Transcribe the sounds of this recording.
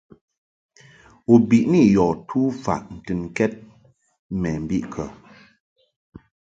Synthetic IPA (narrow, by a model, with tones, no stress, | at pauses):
u˨bi˨ʔni˦˨jɔ˨tʰu˦fa̰˨ʔn̩˨tɨ˨nkɛ˦t̚ | mɛ˨m̩˨bi˦ʔkʰə˨